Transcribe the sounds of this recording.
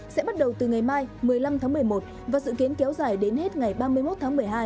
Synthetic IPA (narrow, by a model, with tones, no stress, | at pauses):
sɛ̰˧˥ɓa˦˥t̚ɗə˨˩wt̪ɨ˨˩ŋa˨˩jmaː˧jmɨ˨˩əjla˧mt̪ʰaː˨˦ŋmɨ˨˩əjmo˨˩t̚ | vaː˨˩sɨ̰˧˨ki˨˦ənkɛ˨˦wzaː˧˩jɗe˨˦nhe˦˥t̚ŋa˨˩jɓaː˧mɨ˧əjmo˦˥t̪̚ʰaː˨˦ŋm˨˩əjɦaː˧j